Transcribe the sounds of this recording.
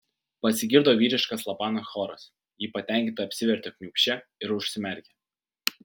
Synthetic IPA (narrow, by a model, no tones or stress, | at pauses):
pɐsʲɪɡʲɪɾd̪oːʋʲiːɾʲɪʃkɐslˠɐpɑːnoːsxɔɾɐs | jiːpɐt̪ʲæˑŋʲkʲɪnt̪ɐɐpʲsʲɪʋʲɛɾʲt̪ʲɪkʲnʲiːkʃʲt͡ʃʲɛɪɾʊʃʲsʲɪmʲɛɾʲkʲɛ